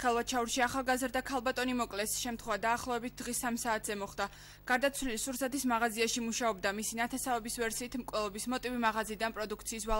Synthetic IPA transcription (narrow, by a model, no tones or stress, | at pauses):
χɛlˠvat͡ʃʰauɾʃiaχalˠɡazɾd̪akʰalˠbat̪ʼɔnimɔkʼlɛsʃɛmt̪χwɛvad̪aːχlˠɔɛbit̪̚ʰd̪̥ʁisamsaːt̪ʰz̥ɛmɔχd̪̥a | ɡ̥aɾd̪at̪sʰwlilisuɾsat̪ismaʁaziaʃimuʃaɔbd̪amisinat̪ʰɛsavɛbisvɛɾsiːt̪ʰmkʼwɛlˠɔbismɔt̪ʼivimaʁaziːd̪anpʼɾɔd̪ukʰt̪sʰiːsva